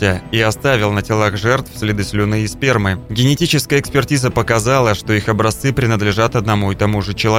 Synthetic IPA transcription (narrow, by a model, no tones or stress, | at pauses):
ɪiɐst̪avʲɪlˠnətʲɪlˠaɣʐɛrt̪fsʲlʲɪd̪ɨsʲlʲʊnɨɪspʲermɨɡʲɪnʲɪtʲit͡ɕɪskəjəːkspʲɪrtʲizəpəkɐzalˠəʂt̪o̞ixɐbɾɐst̪sɨpɾʲɪnəd̪lʲɪʐat̪ɐd̪nɐmuɪt̪ɐmuʐɨt͡ɕɪlˠɐ